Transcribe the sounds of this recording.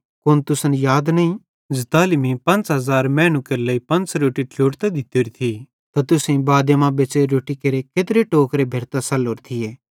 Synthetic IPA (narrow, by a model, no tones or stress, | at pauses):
kont̪ʊsənjaːd̪nɐĩ | d͡ʒɐt̪aːlimipɐ̃nt͡ʃɦɐzaːɾmɛ̃ːnũkɐɾlɐipɐ̃nt͡ʃɾoːʈiʈʰloːʈt̪ed̪ɪt̪eɾit̪ʰi | t̪at̪ʊsẽĩbaːd̪emãbeːt͡ʃeɾoːʈikɐɾekeːt̪ɾeʈoːkɾebʱeːɾt̪asɐloːɾt̪ʰijeː